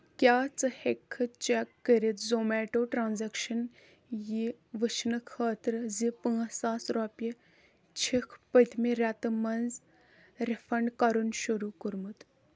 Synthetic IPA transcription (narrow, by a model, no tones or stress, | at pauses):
kjaːt͡sɨhekʰːɨt͡ʃekːəɾit̪zoːmeːʈoːʈɾãːnzɛkʃɐn | jiʋət͡ʃʰnɨkʰaːt̪ɾɨzipə̃ːsaːsɾɔpi | t͡ʃʰikʰpət̪ʰmiɾʲat̪ɨmɐnz | ɾifʰɐɳɖkɐɾunʃuɾukuɾmut̪